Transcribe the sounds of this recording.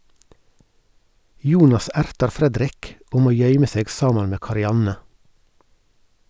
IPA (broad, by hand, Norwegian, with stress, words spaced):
ˈjuːnɑs ˈæɾtɑɾ ˈfɾɛdɾɪk ˈoː ˈmoː ˈjœʏmə ˈseːɡ ˈsɑːmɑn ˈmeː kɑɾɪˈɑnə